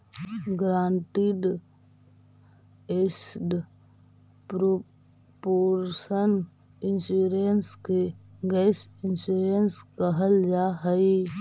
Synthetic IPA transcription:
ɡɾaːnʈ̪iɖ | esɖ | pɾo | poːɾsən | ɪnsuɾenskeɡɛsɪnsuɾenskəɦəld͡ʒaɦəi

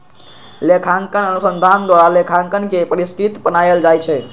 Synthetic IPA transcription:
lekʰaŋkənənusənd̪ʱand̪waɾalekʰaŋkənkepəɾiskɾit̪pənajəld͡ʒajt͡ʃʰɛ

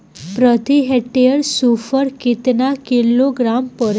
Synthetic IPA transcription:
pɾət̪iɦeʈeəɾsufəɾkit̪nakiloɡɾampəɾ

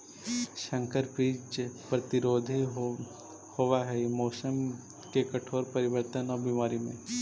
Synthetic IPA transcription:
ʃɐ̃ŋkəɾpɾiːd͡ʒd͡ʒpɾɐt̪ɪɾoːd̪ʱi | hoʋaɦɛjemɔːsəm | kekɐʈʰoːɾpɐɾɪʋəɾt̪ənɔːɾbimaːɾimḛ̃ː

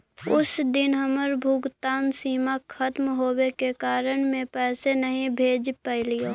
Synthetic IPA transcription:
ʊsd̪ɪnɦəməɾbʱʊɡt̪aːnsiːmakʰət̪mɦoːwekekaːɾəɽ̃mẽpɛːsenəɦĩbʱeːd͡ʒpɛɪlijoː

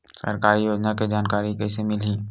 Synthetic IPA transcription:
sə̰ɾkaːɾijoːd͡ʒnaked͡ʒaːnkaːɾikɛːsemɪlɦi

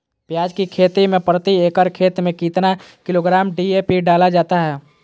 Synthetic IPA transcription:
pjaːd͡ʒkikʰeːt̪imẽpɾət̪ieːkəɾkʰeːt̪mẽkit̪nakɪloːɡɾaːmɖiepiɖaːlad͡ʒaːt̪aɦɛː

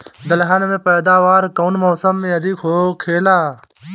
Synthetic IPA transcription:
d̪əlɦanmẽːpəːd̪aːʋaːɾkɐunmoːsəmːẽɐd̪iːkʰoːkʰeːlaː

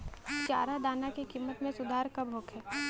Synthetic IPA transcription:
t͡ʃa̰ːɾad̪aːnakekiːmːət̪mẽsʊd̪ʱaːɾkɐbʱoːkɦɛː

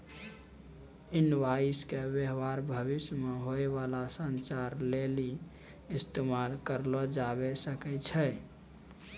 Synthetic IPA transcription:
ɪnwaiskebjəɦʋaɾbʱəβɪsmeɦoeʋalasənt͡ʃaɾleli | ɪst̪emalkəɾlɔd͡ʒabesəkɛt͡ʃʰɛ

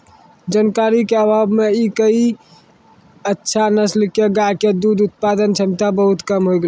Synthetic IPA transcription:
d͡ʒənkaɾikeəbabmeikəi | ətːʃʰanəslkeɡajked̪ud̪ut̪̚pad̪ənt͡ʃʰəmt̪abəɦut̪kəmɦoiɡl

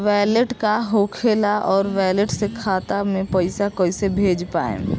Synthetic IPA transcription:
ʋɛːleʈkaɦoːkʰeːlaʔɔːɾʋɛːləʈsekʰaːt̪amẽpəɪsakɔɪsebʱeːd͡ʒpa̰ːḛ̃

